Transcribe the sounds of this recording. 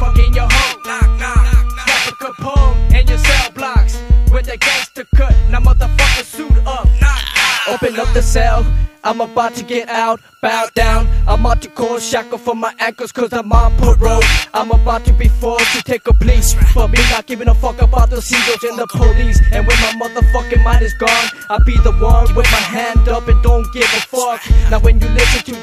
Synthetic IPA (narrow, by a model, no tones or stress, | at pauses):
fʌkɪ̃njə˞hoʊ | nɛpəkʰʊpʰõmɨ̃njə˞sɛlˠblɑkswɨ̃nðɨɡ̥ɛstʰɨkʰʌtnʌ̃mʌvðəfʌkəsuɾʌp̚ | oʊpɨ̃ŋʌp̚ðɨsɛlˠʔãɪ̃məbaʊtʰɨɡɛɾaʊt̚ | b̥aʊd̥ãʊ̃nʔãɪ̃mɑtʰɨkʰɔz̥ʃækəfʌmaɪʔæ̃ŋkə˞z̥kʰʌzamampʰəɹoʊʔãɪ̃məbaʊtʰɨbifɔɹtʰɨtʰeɪkəpʰl̥eɪsfə˞minat̚ɡ̥ɪvɪ̃ŋəfʌkəbaʊt̪̚ðəsiɡəzɨ̃nðəpʰəlizɨ̃nwɨ̃nmaɪmʌðə˞fʌkɨ̃nmãɪ̃ɾɨzɡɔ̃n | aɪbiðəwʌ̃nwɨðmaɪɦæ̃ndʌpɨ̃ndõʊ̃nɡ̥ɪvəfʌknaʊwɨ̃njɨlɪsɨ̃ntʰɨ